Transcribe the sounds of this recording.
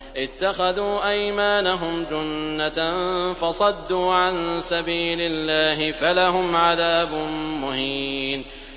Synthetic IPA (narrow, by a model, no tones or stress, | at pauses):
ʔɪt̪ːaxaðuːʔajmaːnaɦʊmd͡ʒʊnːafɑsˤɑd̪ːuːʕansabiːlɪlːaːɦɪfalaɦʊmʕaðaːbʊnmʊhiːn